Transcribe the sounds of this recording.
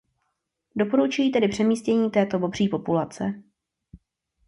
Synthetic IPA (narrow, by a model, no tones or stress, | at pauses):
do̞po̞ɾut͡ʃujiːt̪ɛdɪpr̝̥ɛmiːscɛɲiːt̪ɛːt̪o̞bo̞br̝iːpo̞pulat͡sɛ